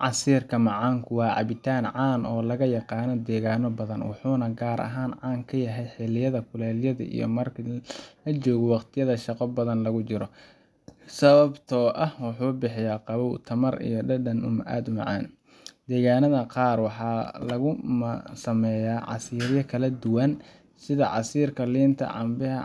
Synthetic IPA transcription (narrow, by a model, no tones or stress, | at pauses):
ʕɑsiːrkʰɐmɑʕɑːŋkʰʊwɑːʕɑ̰βɪt̪ʰaːnʕɑːnɔːlɐɣɐjɑqɑːnɔd̪ɛːɣaːnɔbɐðɐnwɑ̰ħuːnɐɡaːɾʔɐ̰ɦaːnʕɑːŋkʰɐjɐɦɛjħɛlɪjɐðɐkʰʊlɛːljɐðɐ̰ʔḭjɞ̰mɐrkʰlɐt͡ʃɔːɣɔwɑqt̪ʰɪjɐðɐʃɑqɔbɐðɐnlɐɣʊt͡ʃɪɾɔ | sɐβɐbt̪ʰɔːʔɐhwɑħuːbɪħɪjaːqɑβɔwt̪ʰɐmɐrḭjɔɖɐɖɐnʊmʔa̰ːd̪ʊmɑʕɑ̰ːn | d̪̥ɛːɣaːnɐðɐqɑːrwɑħɑːlɐɣʊmsɐmɛjaːʕɑ̰siːɾjɐkʰɐlɐd̪ʊwɐn | sɪðɐʕɑ̰siːrkʰɐliːnt̪ʰɐ̰ʕɑ̰mbɪɦɐ̰